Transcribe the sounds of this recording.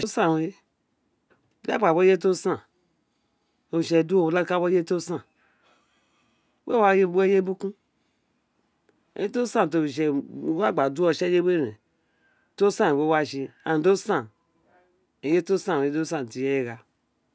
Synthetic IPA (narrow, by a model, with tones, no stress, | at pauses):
o˦sa˦˨we˦˨ | la̰˦k͡pa˨bo˦je˦to˦sa˨ | o˨ʃe˨du˦o˦˨la˦ka˦bo˦je˦to˦sã˦˨˦ | we˦a˦je˦e˦je˦bu˦kũ˦˨˦ | e˦to˦sã˦n˨t̬o˨ʃ̬e˨wa˦˨ɡ͡ba˨du˦o˨ʃe˦je˦we˦ɾḛ˨ | to˦sã˦˨e˨we˦wa˦ʃi˧a˨do˦sã˦˨ | e˨je˦to˦sã˦˨e˦do˦sa˦˨ti˨je˦je˦ɡa˨